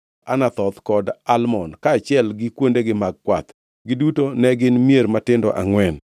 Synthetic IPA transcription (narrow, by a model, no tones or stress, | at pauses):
ʔanat̪ɔt̪kɔdalmɔnkaːt͡ʃɪɛlɡɪkwondeɡɪmaɡ̚kwa̰t̪ | ɡɪdutonɛɡɪnmjeɾmatɪndɔ̰ʔa̰ŋwɛn